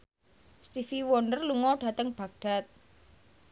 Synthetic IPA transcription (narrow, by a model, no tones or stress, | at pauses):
st̪ifiwɔnɖərluŋɔɖ̥ä̤t̪əŋb̥a̤ɡ̚ɖ̥a̤t̪̚